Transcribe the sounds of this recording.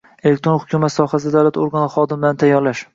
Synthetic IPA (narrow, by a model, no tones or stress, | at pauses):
elekt̪ɾo̞nhʊkʰʲumat̪sɒhas̬ɪd̪awlat̪oɾɡanɪχɒd̪ɪmɪlant̪ʰajːɒɾlaʃ